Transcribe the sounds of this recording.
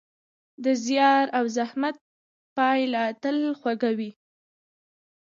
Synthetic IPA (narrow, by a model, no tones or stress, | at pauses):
d̪əzjɑɾawzahmat̪̚ | pɑjlat̪əlxwaɡawi